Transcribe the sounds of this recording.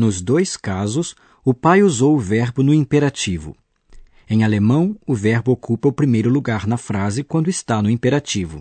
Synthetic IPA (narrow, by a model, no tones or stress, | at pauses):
nʊzd̪ojskazʊs | ʊpajuzowʊvɛɾbʊnʊĩpeɾat͡ʃivʊ̰ | ẽj̃alemɐ̃w̃ʊvɛɾbʊokupɐʊpɾimejɾʊluɡaɾnɐfɾazɪkwɐ̃nd̪ʊɪst̪anʊĩpeɾat͡ʃivʊ̰